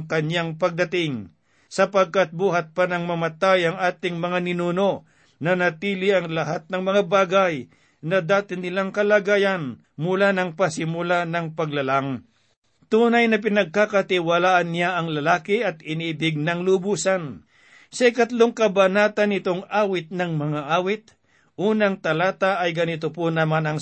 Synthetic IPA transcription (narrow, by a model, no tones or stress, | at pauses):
ŋkɐɲjaŋpɐɡ̚d̪ɐt̪ɪŋ | sɐpɐɡ̚kat̪̚buːɦɐt̪̚panɐŋmɐmɐt̪ajɐŋaːt̪ɪŋmɐŋanɪnuːno̞ | nɐnɐt̪iːlɪʔɐŋlɐɦat̪̚nɐŋmɐŋabaːɡaj | nɐd̪aːt̪ɪnɪlaŋkɐlaɡaːjɐn | mʊlanɐŋpɐsɪmʊlanɐŋpɐɡ̚lɐlaŋ | t̪uːnɐjnɐp̬ɪnɐɡ̚kakɐt̪ɪwɐlaːʔɐnːjaʔɐŋlɐlaːkɪʔɐt̪̚ɪniːbɪɡ̚nɐŋlʊbuːsɐn | sɐɪkɐt̪lo̞ŋkɐbɐnaːt̪ɐnɪt̪oŋaːwɪt̪̚nɐŋmɐŋaʔaːwɪt̪̚ | ʔuːnɐŋt̪ɐlaːt̪aʔɐjɡɐnɪt̪oponɐmanɐŋ